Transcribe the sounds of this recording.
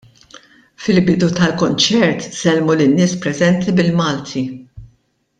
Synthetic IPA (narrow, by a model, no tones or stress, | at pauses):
fɪlbɪd̪ut̪ɐlkɔnt͡ʃɛɾt̪z̥ɛlmulɪnːɪːspɾɛzɛnt̪ibɪlmɐːlt̪ʰi